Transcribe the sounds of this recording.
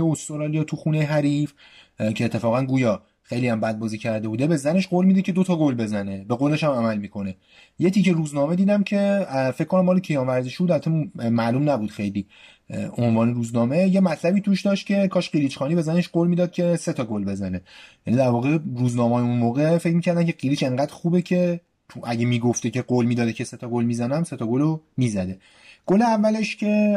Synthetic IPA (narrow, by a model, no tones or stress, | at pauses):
eost̪oɾɒːlijɒt̪ʰuxune̞jeɦæɾif | cʰeːt̪ʰːe̞fɒːɣænɡuːjɒː | xejliːæmbæd̪̚bɒːziːcʰæɾd̪e̞buːd̪e̞be̞zæne̞ʃɡolmiːd̪ecʰe̞d̪ot̪ʰɒːɡolbe̞zæne̞be̞ɡoleʃæmæmælmiːkʰo̞ne̞ | jet̪ʰiːceɾuːznɒːme̞d̪iːd̪æmcʰe̞fec̚ʰkʰːo̞næmːɒːlepʰejɒːmvæɾzeʃud̪æɾt̪ʰemmæʔlumnæbud̪xejliː | onvɒːneɾuːznɒːme̞je̞mæt̪ʰlæbiːt̪ʰuːʃd̪ɒːʃt̪̚cʰʲe̞kʰɒːʃɢilit͡ʃxɒːniːbe̞zæneʃɡolmiːd̪ɒːd̪̥̚cʰe̞se̞t̪ʰɒɡolbe̞zæne̞jænid̪æɾvɒːɣe̞ɾuːznɒːmɒːjeunmoːɣefe̞cmicʰæɾd̪æmcʰeɢilit͡ʃe̞ŋɢæːd̪̥xuːbe̞cʰe̞ | t̪ʰuʔæɟemiːɡoft̪ecʰe̞ɡolmid̪ɒːd̪ecʰe̞set̪ʰɒɡolmiːzænæmse̞t̪ʰɒɡolomiːzæd̪e̞ | ɡ̥oleævːæle̞ʃcʰe̞